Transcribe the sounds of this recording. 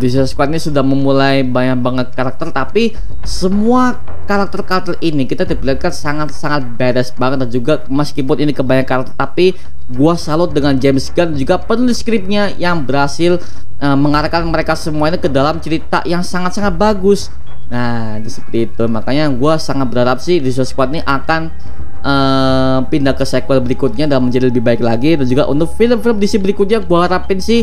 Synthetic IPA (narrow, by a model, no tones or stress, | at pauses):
dis̬skwat̪inisudahməmulajbaɲaŋbaŋət̪̚kaɾak̚t̪ərt̪api | səmua | kaɾak̚t̪ərkaɾak̚t̪ərinikit̪adibilarkansaŋat̪̚saŋat̪̚beɾɛsbaŋət̪̚dand͡ʒuɡa | məskipʊninikəbaɲaŋkaɾak̚t̪ərt̪api | ɡuasalʊt̪̚dəŋand͡ʒɛmsɡand͡ʒuɡapənluskɾɪp̚ɲajaŋbəɾhasɪl | əməŋaɾakanməɾekasəmuainakədalamt͡ʃəɾit̪a̰jaŋsaŋat̪̚saŋat̪̚baɡʊs | nah | disəpərt̪iːt̪umakaɲaɡuasaŋat̪̚bəɾhaɾap̚sɪhdisaskwat̪̚niʔakan | əː | pindahkəsekualbəɾikʊt̪̚ɲadalməɲd͡ʒadiləbɪhbaɪklaɡidand͡ʒuɡa̰ʔṵnt̪ʊk̚filəmfɪləmdisibəɾikʊt̪̚ɲaɡuaɦaɾapɪnsɪh